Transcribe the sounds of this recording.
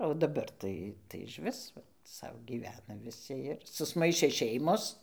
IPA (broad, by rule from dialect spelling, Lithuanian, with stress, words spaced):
oː dɐˈbɐr tɐɪ ɪʃʲˈʋʲɪs ˈsɐʊ ɡʲiːˈʋʲæːnɐ ʋʲɪˈsʲɪ ɪr sʊsˈmɐɪʃʲeː ˈʃʲɛɪmoːs